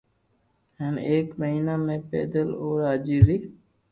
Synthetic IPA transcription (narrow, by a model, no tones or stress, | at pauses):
ɦəneːkməɦiːnaːmẽːpḛːd̪əloːɾaːd͡ʒiːɾiː